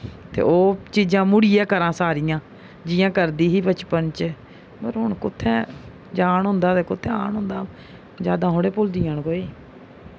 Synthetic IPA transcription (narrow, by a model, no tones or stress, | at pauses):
t̪ḛːʔoːt͡ʃiːd͡ʒãːmʊɽiːjãːkəɾãːsaːɾɪjãː | d͡ʒɪjãːkəɾd̪iːɦiːbət͡ʃpənt͡ʃ | pəɾɦʊɳkʊt̪ʰːɛ̃ː | d͡ʒaːɳɦʊ̃nd̪aːt̪eːkʊt̪ʰːeːa̰ːɳɦʊ̃nd̪aː | d͡ʒjaːd̪ãːɦoːɽeːpʊld̪iːaɳkoːiː